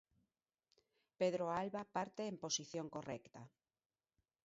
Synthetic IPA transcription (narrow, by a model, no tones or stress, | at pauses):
peðɾoalβapaɾt̪eːmposiθjoŋkorɛ̰kt̪a